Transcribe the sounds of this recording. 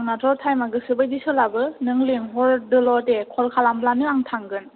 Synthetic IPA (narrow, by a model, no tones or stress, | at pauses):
ŋnatʰɔɾtʰajmaɡɯsɯbajdisɯlabɯnɯŋleŋɦɔɾdɯlɔtekʰɔlkʰalamblanɯaŋtʰaŋɡɯn